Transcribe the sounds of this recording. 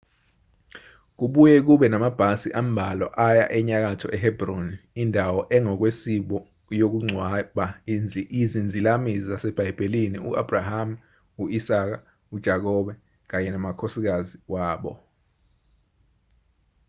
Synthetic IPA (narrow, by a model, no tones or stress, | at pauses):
k̬uɓujɛk̬uɓɛnamab̥ʱasiʔam̩bʱalɔʔaja̰ʔɛɲak̬atʰɔʔɛɦɛbronindʱawɔʔɛŋɔk̬wesiɓɔ | jok̬uŋ͡ǀʱwaɓaizind͡zʱilamizasɛb̥ʱajib̥ʱelinḭuab̥ʱraham̩ | uisak̬a | ud̥ʒ̥ʱak̬ɔɓɛ | k̬aɲɛnamakʰosik̬aziwaːɓɔ̰